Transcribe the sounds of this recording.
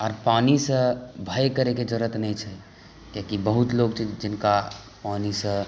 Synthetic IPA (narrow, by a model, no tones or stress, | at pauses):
ɔːɾpanisə̃bʱəjkəɾeked͡ʒəɾət̪nɛjt͡ʃʰɛ | kakibəɦut̪loɡt͡ʃʰid͡ʒd͡ʒinka | panisə̃